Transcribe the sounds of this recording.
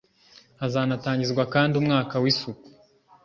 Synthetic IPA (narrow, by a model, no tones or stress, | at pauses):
azaːnataːɲɟizɡwakaːndiumŋaːkawisuku̥